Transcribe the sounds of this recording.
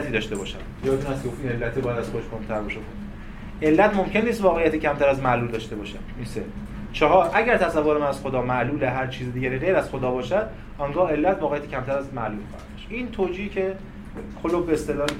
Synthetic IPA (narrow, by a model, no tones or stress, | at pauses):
t̪ʰiːd̪ɒːʃt̪ebɒːʃæ̰m | jɒːdeunæst̪eoft̪iːne̞lːæt̪ʰibɒːjæd̪æzxoeʃkʰonmt̪ʰæɾbɒʃekʰon | e̞lːæt̪mo̞mcʰe̞nːiːst̪vɒːɣejæt̪ʰiːcʰæmt̪ʰæɾæzmæʔluːld̪ɒːʃt̪e̞bɒːʃæniːnse | t͡ʃʰɒɦɒːɾʔæɟæɾt̪ʰæsævːoɾemænæz̥xod̪ɒːmæʔluːleɦæɾt͡ʃʰiːzid̪iːɟæɾiːɣe̞jɾæz̥xod̪ɒːbɒːʃæd̪ | ɒŋɡɒːe̞lːæt̪vɒːɣejæt̪icʰʲæmt̪ʰæɾæzmæʔluːlxɒ̰ːhæd̪d̪ɒʃʔiːnt̪ʰoːd͡ʒiːhcʰe | kʰolobbeːst̪e̞lɒː